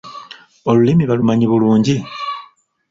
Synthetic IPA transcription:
o̞lulimiβalumaɲiβuluːɲɟi

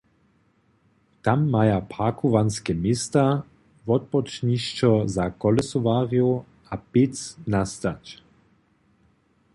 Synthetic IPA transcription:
t̪amːajapakʰuvanskɛmest̪a | vɔt̪̚pɔt͡ʃniʃt͡ʃɔzakɔlɛsɔvaːʁio | apɪt͡snast̪at͡ɕ

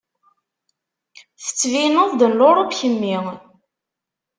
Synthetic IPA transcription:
θə̥t͡sːvinoðˤd̪ənloɾˤopçəmːi

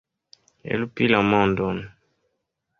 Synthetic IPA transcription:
ḛlupilamɔndɔn

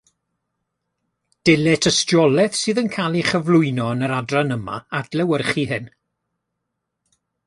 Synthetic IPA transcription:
d̥ɛlɛtʰəstjɔlˠɛθsɨːðənkʰaːlˠiχəvlˠʊɨnɔnəɾadranəma̰ad̥lɛwərχiɦɨn

